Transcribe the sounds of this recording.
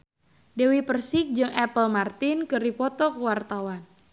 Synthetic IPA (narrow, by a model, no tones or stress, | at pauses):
dewipərsɪk̚d͡ʒɨŋʔɛpəlmart̪ɪnkɨɾipɔt̪ɔkəwart̪awan